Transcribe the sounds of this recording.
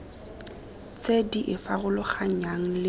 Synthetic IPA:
t͡sʼediʔɪfaɣʊlʊχaɲ̩aŋ̩lɪ

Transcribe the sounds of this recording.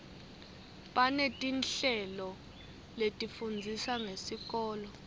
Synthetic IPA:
ɓanetʼinɬɛlɔ | letʼifund͡zʱisaŋesik̬ɔːlɔ

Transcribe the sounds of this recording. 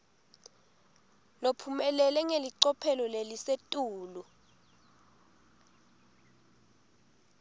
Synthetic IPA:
lopʰumɛlɛlɛŋeliǀɔpʰɛlɔlelisetʼuːlu

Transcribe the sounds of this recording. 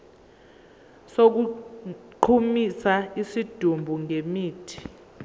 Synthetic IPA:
sok̬u | ǃʰumisaisid̥ʱumbʱuŋʱemiːtʰi̥

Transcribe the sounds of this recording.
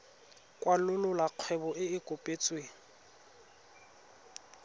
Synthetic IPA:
kʼwalʊlʊlaq͡χʰwɛbɔʔɪɪkʼopʼet͡sʼweːŋ

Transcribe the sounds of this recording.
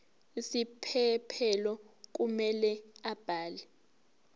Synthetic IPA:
isipʰɛpʰɛlɔk̬umɛlɛab̥ʱaːlɛ

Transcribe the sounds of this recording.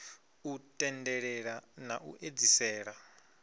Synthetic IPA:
utʼɛndɛɺɛɺanaʔṵʔed͡zisɛːɺa

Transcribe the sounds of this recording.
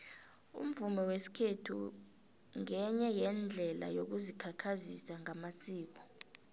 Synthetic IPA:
ṵm̩vumɛwesi̥kʰetʰṵ | ŋɛɲɛjɛnd͡ɮʱɛla̰jok̬uzikʰakʰazisaŋamasiːk̬ɔ̥

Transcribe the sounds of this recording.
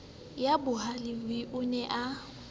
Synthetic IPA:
jabʊɦalɪbɪʔʊnɛʔa

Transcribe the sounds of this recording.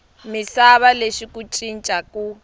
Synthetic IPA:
misaβaleʃikut͡ʃʼint͡ʃʼakʼu

